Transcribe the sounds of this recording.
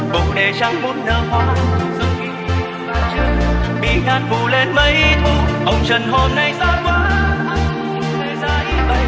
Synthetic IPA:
ɓʊ˨˩ŋ͡mɗe˨˩t͡ɕa˧˩wŋ͡mmu˧˥t̚nəː˨˩hwaː˧˦zɨ˨˧˩ŋɓi˧˨˩ɓaː˨˩t͡ɕɨ˧˩kɓḭ˧˩ŋaː˧˥n̚vu˧˩le˧nmə˧˦jʔi˧t̪ʰu˧ʔə˧wŋ͡mt͡ɕə˧˨˩nho˧mna˧jsaː˧˥kwaː˨˦˨ | le˨˧˩zaː˧˩ʔi˧˦ɓa˧j

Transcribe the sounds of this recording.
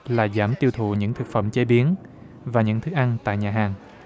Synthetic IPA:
laː˨˩zaː˧˩mt̪i˧əwt̪ʰṵ˧˨ɲɨ̰˧˥ŋt̪ʰɨ˨˩k̚fə̰˧˩˨mt͡ɕe˨˦ɓi˨˦ən | vaː˨˩ɲɨ̰˧˥ŋt̪ʰɨ˦˥k̚ʔa˧nt̪a̰ː˧˨jɲaː˨˩ɦaː˨˩ŋ

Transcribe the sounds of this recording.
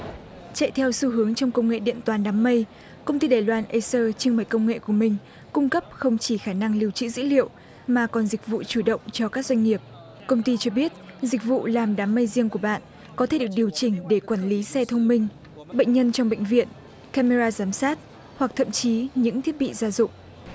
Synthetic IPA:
t͡ɕa̰˧˨jt̪ʰɛ˧wsu˧ɦɨ˨˦əŋt͡ɕɔ˧wŋ͡mkə˧wŋ͡mŋḛ˧˨ɗḭ˧˨ənt̪waː˨˩nɗaː˨˦mːə˧j | kə˧wŋ͡mt̪i˧ɗaː˨˩jlwaː˧nʔə˧səː˧t͡ɕɨ˧ŋma˧˩jkə˧wŋ͡mŋḛ˧˨ku˧˩əmï˨˩ŋ̟ | kʊ˧ŋ͡mkə˦˥p̚xə˧wŋ͡mt͡ɕi˧˩xaː˧˩na˧ŋli˧əwt͡ɕɨ̰˧˥zɨ̰˧˥lḭ˧˨əw | maː˨˩kɔ˨˩nzï˨˩k̟̚vṵ˧˨t͡ɕu˧˩ɗə̰˧˨wŋ͡mt͡ɕɔ˧kaː˦˥k̚zwa˧ŋ̟ŋi˨˩əp̚ | kə˧wŋ͡mt̪i˧t͡ɕɔ˧ɓi˦˥ət̚zï˨˩k̟̚vṵ˧˨laː˨˩mɗaː˨˦mːə˧jzi˧əŋku˧˩əɓa̰ː˧˨n | kɔ˨˦t̪ʰe˧˩ɗək̚ɗi˨˩əwt͡ɕï˧˩ŋ̟ɗe˧˩kwaː˧˩nli˨˦sɛ˧t̪ʰə˧wŋ͡mmï˧ŋ̟ | ɓə̰˧˨ŋ̟ɲə˧nt͡ɕɔ˧wŋ͡mɓḛ˧˨jŋ̟vḭ˧˨ən | ka˧me˧zaː˧zaː˨˦msaː˦˥t̚ | hwa˨˩k̚t̪ʰə̰˧˨mt͡ɕi˨˦ɲɨ̰˧˥ŋt̪ʰi˦˥ət̚ɓḭ˧˨zaː˧zʊ̰˧˨ŋ͡m̚

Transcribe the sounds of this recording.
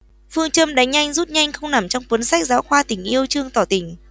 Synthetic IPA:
fɨ˧əŋt͡ɕə˧mɗa˨˦jŋ̟ɲa˧jŋ̟zu˦˥t̚ɲa˧jŋ̟xə˧wŋ͡mna˨˩mt͡ɕɔ˧wŋ͡mkwə˨˦nsa˦˥k̚zaː˨˦wxwaː˧t̪ï˨˩ŋ̟ʔi˧əwt͡ɕɨ˧əŋt̪ɔ˧˩t̪ï˧˩ŋ̟

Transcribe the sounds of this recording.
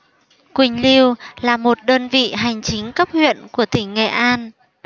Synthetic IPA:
kwï˨˩ŋ̟li˧wlaː˨˩mo˨˩t̚ɗəː˧nvḭ˧˨ɦa˨˩jŋ̟t͡ɕï˨˦ŋ̟kə˦˥p̚hwḭ˧˨ənku˧˩ət̪ï˧˩ŋ̟ːɛ̰˧˨ʔaː˧n

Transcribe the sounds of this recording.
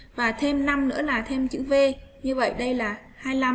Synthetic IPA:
vaː˨˩t̪ʰe˧mna˧mnɨ̰˧˥əlaː˨˩t̪ʰe˧mt͡ɕɨ̰˧˥ve˧ɲɨ˧və̰˧˨jɗə˧jlaː˨˩ | haː˧jla˧m

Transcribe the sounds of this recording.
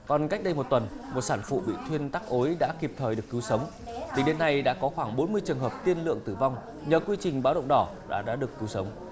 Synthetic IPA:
kɔ˨˩nka˦˥k̚ɗə˧jmo˨˩t̚t̪ə˨˩n | mo˨˩t̚saː˧˩nfṵ˧˨ɓḭ˧˨t̪ʰwi˧ənt̪aː˦˥k̚ʔo˨˦jɗa̰ː˧˥ki˨˩p̚t̪ʰəː˨˩jɗɨ˨˩əkːɨ˨˦wsə˨˦wŋ͡m | t̪ï˨˩ɗe˨˦nːa˧jɗa̰ː˧˥kɔ˨˦xwaː˧˩ŋɓo˨˦nmɨ˧əjt͡ɕɨ˨˩əŋɦəː˨˩p̚t̪i˧ənlɨ̰˧˨əŋt̪ɨ˧˩va˧wŋ͡m | ɲəː˨˩kwi˧t͡ɕï˨˩ŋ̟ɓaː˨˦wɗə̰˧˨wŋ͡mɗɔ˧˩ɗa̰ː˧˥ɗa̰ː˧˥ɗɨ˨˩əkːɨ˨˦wsə˨˦wŋ͡m

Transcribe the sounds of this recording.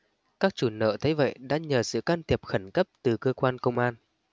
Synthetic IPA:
kaː˦˥k̚t͡ɕu˧˩nə̰ː˧˨t̪ʰə˨˦jvə̰˧˨jɗa̰ː˧˥ɲəː˨˩sɨ̰˧˨kaː˧nt̪ʰi˨˩əp̚xə˧˩nkə˦˥p̚t̪ɨ˨˩kəː˧kwaː˧nkə˧wŋ͡mʔaː˧n

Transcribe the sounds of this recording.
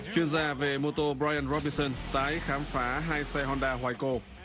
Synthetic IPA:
t͡ɕwi˧ənzaː˧ve˨˩mo˧t̪o˧bɾaː˧jʔa˧nzɔ˦˥ɓi˧nsə˧nt̪aː˨˦jxaː˨˦mfaː˨˦ɦaː˧jsɛ˧ɦɔ˧nɗaː˧ɦwaː˧˩jko˧˩

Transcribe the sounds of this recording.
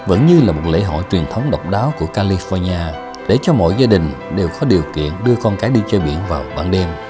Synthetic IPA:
və̰˧˥nɲɨ˧laː˨˩mo˨˩t̚lḛ˧˥ɦɔ̰˧˨jt͡ɕwi˨˩ənt̪ʰə˨˦wŋ͡mɗə˨˩wk͡p̚ɗaː˨˦wku˧˩əkaː˧li˧fɔ˧ɲaː˧ | ɗe˧˩t͡ɕɔ˧mɔ̰˧˨jzaː˧ɗï˨˩ŋ̟ | ɗe˨˩wkɔ˨˦ɗi˨˩əwkḭ˧˨ənɗɨ˧əkɔ˧nkaː˨˦jɗi˧t͡ɕəː˧ɓḭ˧˩˨ənvaː˨˩wɓaː˧˩nɗe˧m

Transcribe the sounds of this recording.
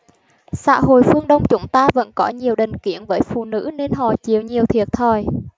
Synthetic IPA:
sa̰ː˧˥ɦo̰˧˨jfɨ˧əŋɗə˧wŋ͡mt͡ɕʊ˨˦ŋ͡mt̪aː˧və̰˧˥nkɔ˨˦ɲi˨˩əwɗï˨˩ŋ̟ki˧˩ənvəː˨˦jfṵ˧˨nɨ̰˧˥ne˧nɦɔ̰˧˩t͡ɕi˨˩əwɲi˨˩əwt̪ʰi˨˩ət̚t̪ʰəː˨˩j

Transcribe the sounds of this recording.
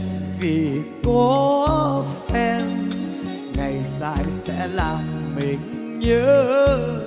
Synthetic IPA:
vi˨˩kɔ˨˦ | fɛ˧n | ŋa˨˩jsaː˧jsɛ̰˧˥laː˨˩mmi˨˩ŋ | ɲəː˨˦

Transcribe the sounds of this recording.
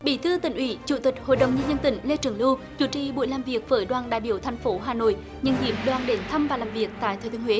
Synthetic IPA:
ɓḭ˧˩˦t̪ʰɨ˧ət̪ï˧˩ŋ̟ʔwḭ˧˦t͡ɕṵ˧˩t̪ï˨˩k̚ho̰˧˨jɗə˨˩wŋ͡mɲə˧nɲə˧nt̪ï˧˩˦ŋ̟le˧t͡ɕɨ˨˧˩əŋlɨ˧wt͡ɕu˧˩˦t͡ɕḭ˧˨˩ɓṵ˧˨jlaː˨˩mvi˨˩ək̚vəː˨˦jɗwaː˨˩nɗaː˧˨jɓi˧˩əwt̪ʰjŋ̟fo˨˦ɦaː˨˩no̰˧˨j | ɲə˧nhi˧˩əmɗwaː˨˩nɗe˨˦nt̪ʰə˧mvaː˨˩laː˨˩mvi˨˩ək̚t̪a̰ː˧˨jt̪ʰəː˨˧˩t̪ʰːhwe˨˦

